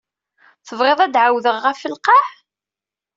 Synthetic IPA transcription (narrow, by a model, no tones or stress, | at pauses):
θəvɾˤeðˤæd̪ʕawðəʁːæfːəlqɑħ